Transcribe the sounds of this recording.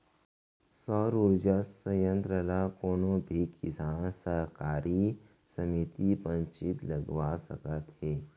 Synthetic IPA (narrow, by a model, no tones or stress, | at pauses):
sɔːɾoːd͡ʒəsəjə̃nt̪ɾəlakoːnobʱikɪsaːnsəɦkaːɾʔi | səmit̪ipə̃ɲt͡ʃɪt̪ləɡwasəkət̪ɦeː